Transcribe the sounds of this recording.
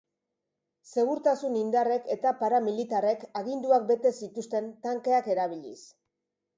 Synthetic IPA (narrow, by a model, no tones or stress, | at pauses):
se̞ɣ̞uɾt̪asunind̪are̞ke̞t̪apaɾamilit̪are̞kaɣind̪uak̚be̞t̪e̞sit̪ust̪e̞nt̪aŋke̞ake̞ɾaβ̞iʎḭs